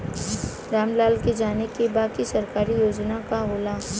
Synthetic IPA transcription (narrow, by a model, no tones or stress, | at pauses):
ɾaːmlaːlked͡ʒaːnekebaːkisɐɾkaːɾijoːd͡ʒnakaɦoːla